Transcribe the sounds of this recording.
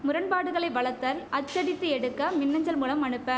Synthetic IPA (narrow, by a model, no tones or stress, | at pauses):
mʊɾɐnpaːɽɯɣɐɭɐɪʋɐɭɐɾt̪ːɐɾɐt͡ʃːɐɽɪt̪ːɯɛɽɯkːɐmɪnːɐɲd͡ʒɐlmuːlɐmɐɳɯpːɐː